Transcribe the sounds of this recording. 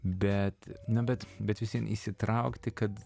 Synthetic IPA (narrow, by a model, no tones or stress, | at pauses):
bʲɛt̪nɐbʲɛt̪bʲɛt̪ʋʲɪsʲiɛnḭsʲɪt̪ɾɐʊkt̪ʲɪkɐt̪